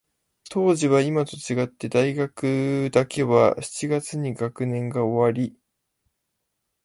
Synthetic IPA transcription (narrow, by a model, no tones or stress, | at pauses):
t̪ʰo̞ːʑiβaimat̪o̞t͡ɕiɡat̪ːe̞d̪aiɡakɯ̟d̪akʰe̞βa̰ɕi̥t͡ɕiɡat͡sɨɲ̟iɡakɯ̟nẽ̞ŋɡao̞βaɾʲi